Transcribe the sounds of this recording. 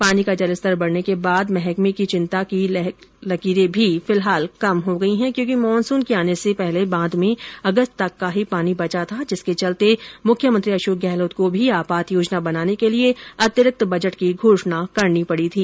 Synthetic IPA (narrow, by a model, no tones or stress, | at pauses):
paːnikad͡ʒɐləst̪əɾbɐɽnekebaːd̪mɛɦɛkmekit͡ʃɪ̃nt̪aki | lɐkiːɾẽbʱifɪlɦaːlkɐmɦoɡɐiɦɛ̃kjõːkimɔːnsuːnkeaːnesepɛɦlebãːd̪mẽɐɡəst̪t̪ɐkːaɦipaːnibɐt͡ʃat̪ʰad͡ʒɪsket͡ʃɐlt̪emʊkʰjəmə̃nt̪ɾiɐʃoːk̚ɡɛːloːt̪kobʱiaːpaːt̪joːd͡ʒnabɐnaːnekelieɐt̪jəɾɪk̚t̪bɐd͡ʒəʈkiɡʱoːʃnakɐɾnipɐɽit̪ʰiː